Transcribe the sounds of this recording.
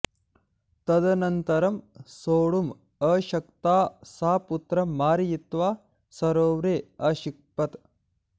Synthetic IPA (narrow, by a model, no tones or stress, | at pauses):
t̪ɐd̪ɐnɐnt̪ɐɾɐmsoːɽum | ɐːʃɐkt̪aːsaːput̪ɾɐmːaːɾijit̪ʋaː | sɐɾoːʋɾeːɐʃik̚pɐt̪